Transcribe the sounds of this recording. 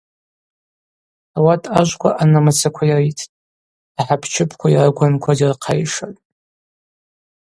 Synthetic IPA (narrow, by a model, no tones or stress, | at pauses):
awatʰʼaʒʷkʷʼaʔanamat͡sʰakʷʰajaritʰtʼ | aħapʰt͡ʃʰɪpʰkʷʰairaɡʷankʷʰadirqʰajʂatʼ